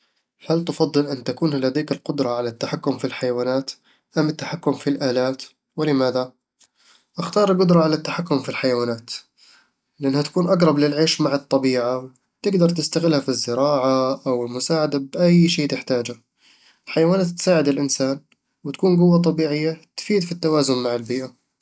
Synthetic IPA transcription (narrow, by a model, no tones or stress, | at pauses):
halt̪ɪfɑðˤːɨlʔɪnːt̪akuːnhalad̪eːkɪlqʊd̪ɾˤɑʕalat̪ːaħakːʊmfilħajawaːnaːt̪ | ʔamːɪt̪ːaħakːʊmfilʔaːlaːt̪ | wɪlɪmaːða | ʔaxt̪ɑːɾˤlɡʊd̪ɾˤɑʕalat̪ːaħakːʊmfilħajawaːnaːt̪ | lɪʔanːhat̪ḁkuːnʔaɡɾˤɑblɪlʕeːʃmaʕɨt̪ˤːɑbiːʕa | t̪ɪɡd̪ɑɾˤt̪ɪst̪aɣɪlhafizːɪɾɑːʕaʔawɪlmʊsaːʕad̪abʔajʃeːt̪ɪħt̪aːd͡ʒha | ʔɪlħajawaːnaːt̪ːsaːʕɪd̪ɪlʔɪnsaːn | wt̪ḁkuːnɡʊwːat̪ˤɑbiːʕɪjːat̪fiːd̪fit̪ːawaːzʊnmaʕɪlbiːʔa